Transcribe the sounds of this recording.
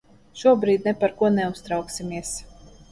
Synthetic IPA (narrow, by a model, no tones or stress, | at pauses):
ʃuɔbɾiːd̪̚ʲnɛpaɾkuɔnɛust̪ɾawksimʲiɛs